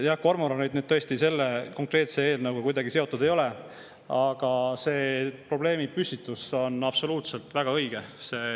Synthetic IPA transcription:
jɑkːormoɾɑnyːd̪̚nyːd̥̪t̪ɤ̞est̪ise̞lːeko̞ŋkˑre̞ːt̪se̞e̞ːlnɑwɡ̥ɑkujd̪ɑɡ̥ise̞o̞t̪ːˑud̪̥e̞jo̞le̞ | ɑɡ̥ɑse̞ːpro̞ble̞ːmipysʲit̪ːˑuso̞nɑb̥so̞luːt̪se̞lt̪ˑvæɡ̥ɑɤjɡ̥ese̞ː

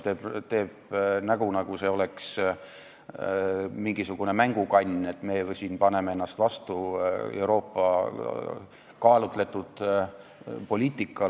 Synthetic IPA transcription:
t̪eːbt̪e̞ːb̥̚næɡ̥unɑɡ̥use̞o̞le̞ks | miŋɡisuɡ̥une̞mæŋɡ̥ukɑnʲːe̞t̪ːˑme̞siːnpɑne̞mee̞nːɑst̪vɑst̪uḛwɾo̞ːpːɑ | kɑːlut̪ˑle̞t̪ːˑud̪̥ | po̞lʲiːt̪ːˑikːˑɑ

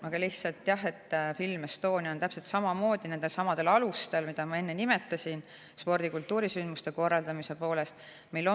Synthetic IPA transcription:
ʔɑɡ̥ɑlih̪sɑlt̪ːˑjɑɦe̞t̪ːfilmest̪o̞ːniɑont̪æpse̞lt̪sɑmɑmo̞ːd̪̥ine̞nd̪̥e̞lsɑmɑd̪̥e̞lɑlust̪e̞lmid̪̥ɑmɑe̞nːe̞nime̞t̪ːˑɑsʲin | spo̞rd̪̥ikult̪ːuːɾisynd̪̥must̪e̞ko̞rːɑld̪ɑmise̞po̞ːle̞st̪ | mejlːo

